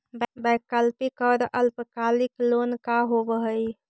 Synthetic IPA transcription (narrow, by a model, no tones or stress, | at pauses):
bakəlpikɔɾʔəlpkaliklonkaɦobəɦəj